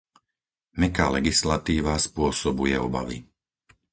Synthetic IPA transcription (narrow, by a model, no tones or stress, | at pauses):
mɛkaːlɛɡislat̪iːʋaspʊɔsɔbujɛɔba̰ʋḭ